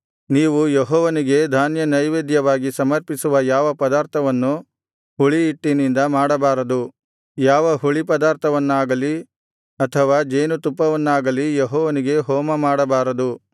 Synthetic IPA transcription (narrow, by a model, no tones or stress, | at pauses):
niːʋujeɦɔːʋɐniɡe̞d̪ʱaːnjɐnɐjʋeːd̪jɐʋaːɡisɐmɐɾpisuʋɐjaːʋɐpɐd̪aːɾt̪ʰɐʋɐnːu | huɭiːʈːinind̪ɐmaːɽɐbaːɾɐd̪u | jaːʋɐɦuɭipɐd̪aːɾt̪ʰɐʋɐnːaːɡɐli | ɐt̪ʰɐʋaːd͡ʒeːnut̪upːɐʋɐnːaːɡɐlijeɦɔːʋɐniɡe̞ɦɔːmɐmaːɽɐbaːɾɐd̪u